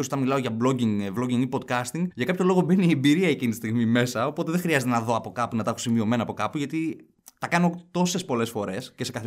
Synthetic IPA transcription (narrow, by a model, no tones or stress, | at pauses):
osot̪ɐnmilɐo̞ʝɐblo̞ɟiŋɡvlo̞ɟiŋipot̪̚kɐst̪iŋɡʝɐkɐpço̞lo̞ɣo̞be̞niembiɾiɐecinit̪i̥st̪iɣmime̞sɐo̞po̞t̪eðeŋxɾiɐzet̪e̞nɐðo̞ɐpo̞kɐpunɐt̪ɐxusimio̞me̞nɐːpo̞kɐpuʝɐt̪i | t̪ɐkɐno̞t̪o̞se̞spo̞le̞sfo̞ɾe̞sce̞se̞kɐθe